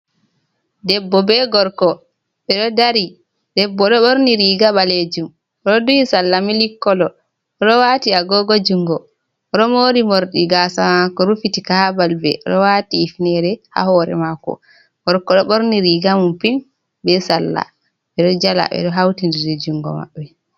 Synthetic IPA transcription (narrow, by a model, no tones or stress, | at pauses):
dɛbːɔbɛɡɔɾkɔ | ɓɛɗɔdaɾi | d̥ɛbːɔɗɔɓoɾniɾiɡaɓaled͡ʒum | ɔɗɔdujisalːamilikːɔlɔ | ɔɗɔwaːtiaɡɔɡɔd͡ʒuŋɡɔ | ɔɗɔmoɾimoɾɗiɡaːsamakɔɾufitikahabalbɛ̰ʔɗɔwatiːfnɛɾɛha̰hɔɾɛ̰makɔ̰ | ɡ̥ɔɾkɔɗɔɓoɾniɾiɡamumpim | bɛsalːa̰ | ɓɛɗɔd͡ʒala̰ɓɛ̰ɗɔɦawtindidɛd͡ʒuŋɡɔ̰ma̰ɓːɛ